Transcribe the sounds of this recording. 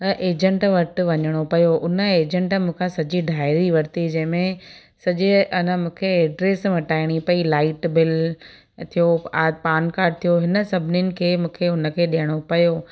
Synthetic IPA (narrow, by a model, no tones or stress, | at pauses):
ɐʔeːd͡ʑə̃ɳʈʋɐɾt̪ɪʋɐɲəɽ̃opɐjoʊnə̆eːd͡ʑə̃ɳʈmũːkʰãsɐd͡ʑiɖʱaːɪɾiʋɐɾt̪id͡ʑɐ̃ɦɪ̃mẽ | sɐʄiɐnəmũːkʰeeːɖɾeːsmɐʈaːɪɽ̃ipɐilaːɪʈbɪl | t̪ʰijoaːpaːnkaːɾɖ̚t̪ʰijoɦɪnə̆sɐbʱɪnɪnɪ̆kʰeːmũːkʰeʊnə̆kʰeːɗijəɽ̃opɐjo